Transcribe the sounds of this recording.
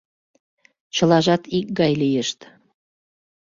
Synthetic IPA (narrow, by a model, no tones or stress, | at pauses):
t͡ɕə̆lɑʒɑt̪ik̚ɡɑjlijəʃt̪